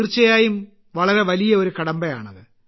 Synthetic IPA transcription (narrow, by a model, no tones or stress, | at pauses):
rt͡ɕːɐjaːjum | ʋɐɭɐɾe̞ʋɐlijɐo̞ɾukɐɽɐmbɐja̰ːɳɐðɨ